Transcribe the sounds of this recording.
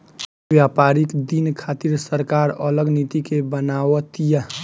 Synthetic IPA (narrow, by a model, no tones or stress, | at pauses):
bjapaɾikd̪inkʰat̪iɾsəɾkaɾələɡnit̪ikebənawət̪ijə